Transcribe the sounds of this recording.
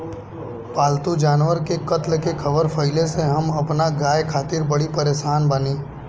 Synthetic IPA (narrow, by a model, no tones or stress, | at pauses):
paːlt̪ud͡ʒaːnʋəɾkekɐt̪lkekʰɐbəɾfʰɐɪleseɦɐmɐpnaɡaːjkʰaːt̪iːɾbɐɽipɐɾeːʃaːnbɐniː